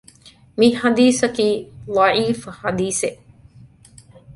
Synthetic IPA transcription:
miħad̪iːsɐkiːlɑʕiːfhad̪iːseʔ

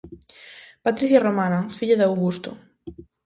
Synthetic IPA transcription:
pat̪ɾiθjaromanafiʎaðawɣust̪o̰

